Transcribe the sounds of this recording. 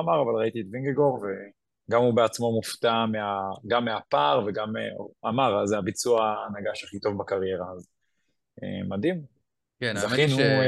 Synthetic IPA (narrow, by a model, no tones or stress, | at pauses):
amaʁavalʁait̪ietviŋɡeɡo̞ʁve | ɡamubeat͡smo̞muft̪ameaɡamːeapaʁve̞ɡamamaʁazeabit͡suaːnaɡaʃaχit̪o̞vbakaʁjeʁaːz | ḛmad̪im | knzainu